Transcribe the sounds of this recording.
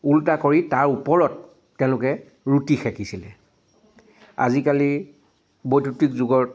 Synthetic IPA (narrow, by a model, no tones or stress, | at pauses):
ultakoɹitaɹupɔɹɔtː | ɛ̃ʊ̃lʊkɛ | ɹutixɛkisilɛ | a̰zikali | bojtutikzʊɡɔt